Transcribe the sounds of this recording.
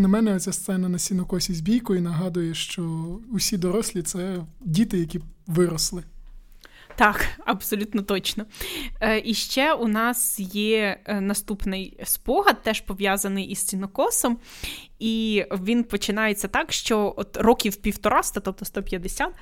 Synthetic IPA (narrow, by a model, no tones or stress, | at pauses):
nɐmɛnɛɔt̪t͡sʲast̪sɛnɐnɐsʲinɔkɔsʲizʲbʲijkʊinɐɦɑd̪ʊjɛʃt͡ʃɔʊsʲid̪ɔɾɔsʲlʲit̪sɛdʲit̪ɪjɐkʲiʋɪɾɔslˠɪ | t̪ɑkɐbsɔlʲut̪nɔt̪ɔt͡ʃnɔ | ʔiʃt͡ʃɛunɑsjɛnɐst̪upnɪjspɔɦɐd̪̚t̪ɛʃpɔʋʲjɑzɐnɪjʔist͡sʲinɔkɔsɔm | iʋʲinpɔt͡ʃɪnɑjet͡sʲːɐt̪ɑkʃt͡ʃɔɔt̪rɔkʲiwpʲiwt̪ɔɾɑst̪ɐt̪ɔp̚t̪ɔst̪ɔpʲjɐd̪esʲɑt̪